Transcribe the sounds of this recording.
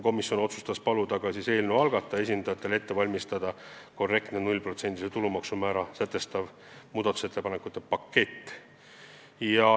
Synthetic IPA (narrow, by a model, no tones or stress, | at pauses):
ko̞misjo̞no̞t̪su̥st̪ɑspɑlud̪ɑɡ̥ɑsise̞ːlnuɑlɡ̥ɑt̪ˑːɑe̞sʲind̪ɑjɑt̪ːˑe̞le̞t̪ːe̞vɑlʲmist̪ɑd̪̥ɑko̞rːe̞kt̪nenulʲpro̞t̪se̞nt̪iset̪ulumɑksumæːɾɑsæt̪ˑːe̞st̪ɑv | muːd̪̥ɑt̪u̥se̞t̪ːe̞pɑnekut̪ːˑe̞pɑkːe̞t̪ː | jɑ